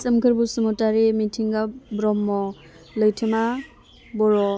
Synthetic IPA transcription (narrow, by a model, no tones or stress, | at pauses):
sɐmkʰɯɾbusumɔtaɾimitʰiŋɡabɾɔmːɔ | lɯjtʰɯma | bɔɾɔ